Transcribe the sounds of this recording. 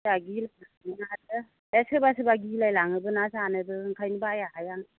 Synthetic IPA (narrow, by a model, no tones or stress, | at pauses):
aɡilajlaŋɯnaɦat̚ɯ | esɯbasɯbaɡilajlaŋɯbɯnasanɯbɯŋkʰajnɯbajahajan